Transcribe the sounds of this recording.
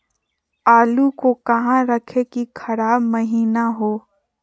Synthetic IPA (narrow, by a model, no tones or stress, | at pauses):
aːlukokɐɦãɾɐkʰekikʰɐɾaːbmɐɦiːnaɦoː